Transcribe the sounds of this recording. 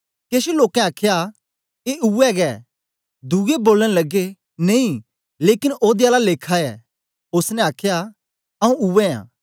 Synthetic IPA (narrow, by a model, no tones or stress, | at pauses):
keːʃoloːkɛ̃aːkʰja | keʔuɛɡɛː | d̪uɡeboːləɽ̃lɐɡe | nẽĩ | leːkɪnʔoːd̪ɪaːlaleːkʰaɛ | ʊsnɛ̃aːkʰja | ɐũuɛ̃ã̰ː